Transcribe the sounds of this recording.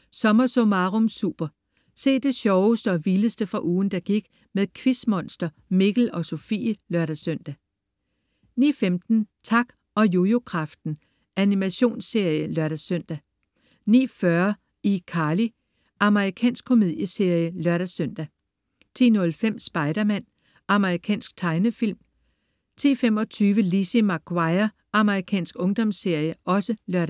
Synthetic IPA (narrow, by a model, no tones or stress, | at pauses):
sɒ̽mɐsomɑ̈ːʁɔmsṵːb̥ɐ | se̝̰ːd̥e̝ɕɒʊsd̥əɒ̽ʋiləsd̥əfʁɑ̈ʔuːn̩d̥ɑ̈ɡ̥iɡ̥ | meðˠkʰʋismɒ̽nsd̥ɐ | me̝ɡ̥l̩ɒ̽so̝fḭːlɶɐɾæsøn̰d̥æ | nḭːfemd̥n̩t͡sʰɑ̈ɡ̥ | ɒ̽jojo̝kʰʁɑ̈fd̥n̩ | ænimæɕo̝̰ːnsːe̝ɐ̰jəlɶɐɾ̥æsøn̰d̥æ | nḭːfɶɐ | ikʰɑ̈ːli | ʔɑ̈məʁikʰɛ̰ːnsɡ̥̚kʰo̝me̝ð̰ˠjəse̝ɐ̰jəlɶɐ̰ɾ̥æsœn̰d̥æ | t͡sʰḭːnɔ̽lfem̰sb̥ɑ̈ɪɾ̥ɐmæn̰ | ʔɑ̈məʁikʰɛ̰ːnsɡ̥̚t͡sʰɑ̈ɪnəfil̰m | t͡sʰḭːfem̰ɒ̽t͡sʰyːʋəlisimɑɡ̥wɑ̈ɪɐ | ʔɑ̈məʁikʰɛ̰ːnsɡ̥ɔ̽ŋd̥ɒ̽msːe̝ɐ̰jəʔɒ̽səlɶɐ̰ɾ